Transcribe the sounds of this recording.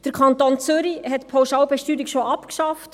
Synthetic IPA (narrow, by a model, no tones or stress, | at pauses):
d̥əɾkʰɑntoːnt͡søɾihɛtpʰaʊʃɑːʊwbɛʃtyːɾikʃoɑpkʃɑft